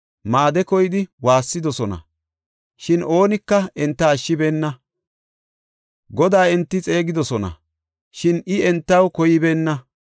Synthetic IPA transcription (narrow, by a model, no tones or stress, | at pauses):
maːd̪ɛkɔjɪd̪ɪwaːsːɪd̪ɔsɔnɐ̰ | ʃɪno̞ːnɪkːɐɛnt̪ːɐːʃːɪbeːnːɐ | ɡɔd̪aːɛnt̪ːɪt͡sʼe̞ːɡɪd̪ɔsɔnɐ̰ | ʃɪnɪɛnt̪ːɐwkɔjɪbe̞ːnːɐ